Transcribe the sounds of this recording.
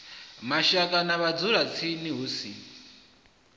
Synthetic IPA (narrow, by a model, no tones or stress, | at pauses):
maʃakʼanaβad͡zuɾat͡sʰiniɦusḭ